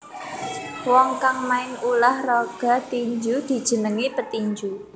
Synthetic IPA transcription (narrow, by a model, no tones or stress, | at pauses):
wɔŋkaŋmaɪŋulahrɔɡ̥a̤t̪iɲd͡ʒud̪̥i̤d̥ʒ̥ə̤nəŋipət̪iɲd͡ʒu